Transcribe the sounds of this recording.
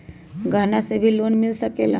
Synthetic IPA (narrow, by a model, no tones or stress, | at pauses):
ɡʱanasebʱiːlonmilsəkela